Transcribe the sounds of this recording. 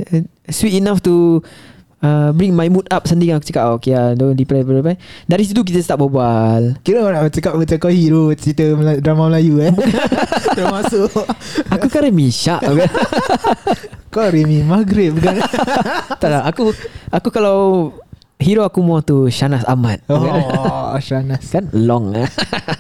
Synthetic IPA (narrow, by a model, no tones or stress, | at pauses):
swit̪inaft̪u | əbɾĩŋmajmut̪̚ap̚sənt̪iŋãnakut͡ʃəkaʔokeadodiplajbəəpadaɾis̬it̪uk̬it̪̬əst̪aʔp̚bobalkiɾəanaʔmat͡ʃəkap̚bət͡ʃakahiɾoit̪əmdɾamaməlajuab | t̪əmasoakukaɾəmiʃaʔka | kaɾimimaɡɾɪt̪̚bukan | t̪alaakuakukalaw | ɦiɾoakumuaŋt̪uʃanasa̰mat̪̚kanʃanaskanlɔŋa